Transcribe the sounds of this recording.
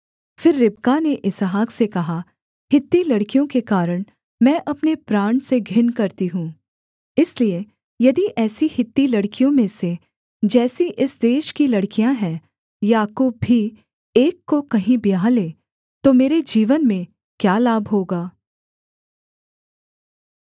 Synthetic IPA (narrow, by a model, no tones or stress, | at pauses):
fɪɾːɪbkaneʔɪsɦaːksekɐɦa | hɪt̪ːilɐɽkijõkekaːɾəɽ̃ | mɛ̃ːʔɐpnepɾaːɳ̃seɡʱɪnkɐɾt̪iɦũː | ɪslie | jɐd̪iʔɛːsihɪt̪ːilɐɽkijõmẽse | d͡ʒɛːsiʔɪsd̪eːʃkilɐɽkijãɦɛ̃ː | jaːkuːb̚ːʱi | eːkːokɐɦĩbijaːleː | t̪omeːɾed͡ʒiːʋənmẽ | kjaːlaːbɦoːɡaː